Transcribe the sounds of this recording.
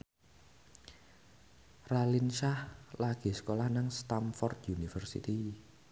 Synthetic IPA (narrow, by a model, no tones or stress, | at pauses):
ralinʃahlaɡ̥i̤sə̥kolahnaŋst̪amfɔrd̪junifərsḭt̪i